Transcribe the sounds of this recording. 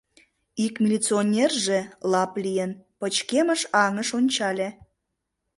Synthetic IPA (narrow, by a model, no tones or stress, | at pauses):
ikmʲilʲit͡sionʲerʒelɑplijənpət͡ɕkeməʃɑŋəʃonʲt͡ɕɑlʲe